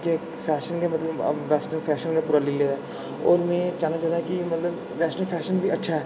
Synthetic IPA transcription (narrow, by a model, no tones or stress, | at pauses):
ke | fɛːʃənkemɐt̪ləb̰ʋɛːsʈənfʰɛːʃənkapuːɾaliled̪a | ɔ̰ːɾmɛ̃ːt͡ʃaːnad͡ʒaːd̪aɦɛkimɐt̪ləb | ʋɛːsʈəlfʰɛːʃənbʱiɐtːʃʰaɦɛː